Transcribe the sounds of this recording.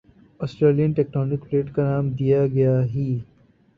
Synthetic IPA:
ɔːsʈɾeːlijənʈeːk̚ʈɔːnɪkpleːʈkanaːmd̪ijaɡɐjaɦiː

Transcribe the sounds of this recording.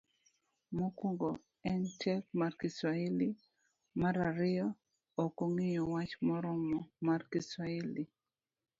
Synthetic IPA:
mokuŋɡo | ɛntʰɛkmarkiswaili | maɾaɾɪjɔ | okoŋɪjɔwat͡ʃmɔɾɔmɔmarkiswaili

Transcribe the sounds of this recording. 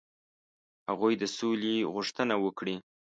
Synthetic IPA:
haɣujd̪əsoleɣuʂt̪ənawəkɽi

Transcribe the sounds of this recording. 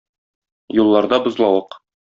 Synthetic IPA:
julˠːɑɾd̪ɑbŏzlˠɑwɤq

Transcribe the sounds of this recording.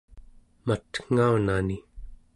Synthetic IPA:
mat̪ŋ̥aunani

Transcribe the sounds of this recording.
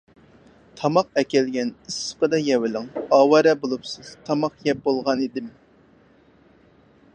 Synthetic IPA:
t̪ʰɑmɑq̚ɛkʲɛlɡʲɛnisːə̥qəd̪ɑjɛwɪlɪŋɑːwɑɾɛbolˠupsɨz̥t̪ʰɑmɑqjɛp̚bolˠʁɑnid̪ɪm

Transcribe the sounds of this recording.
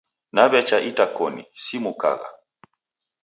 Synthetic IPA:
nabɛt͡ʃaʔitakɔnḭsimuka̰ɣa̰

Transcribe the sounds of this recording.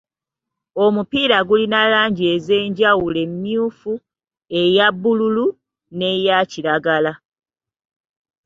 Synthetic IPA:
o̞mupiːɾaɡulinalaːɲɟie̞ze̞ːɲɟawule̞mːjuːfu | e̞jabːululu | ne̞jaciɾaɡala

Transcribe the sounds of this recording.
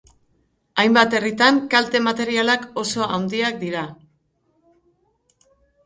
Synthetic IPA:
ajmbat̪erit̪aŋkalt̪e̞mat̪e̞ɾialako̞so̞ʔawnd̪iak̚d̪iɾa

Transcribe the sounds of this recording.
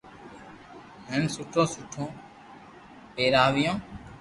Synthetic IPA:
ɦeːnsʊʈʰõːsʊʈʰõː | peːɾaːʋɪjõː

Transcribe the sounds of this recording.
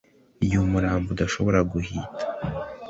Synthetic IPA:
ijumuɾaːmbudaʃo̞βo̞ɾaɡuhiːtʰḁ

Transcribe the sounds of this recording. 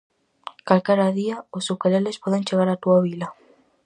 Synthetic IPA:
kalkaɾaðiaosukalelespɔðent͡ʃeɣaɾat̪uaβilɐ

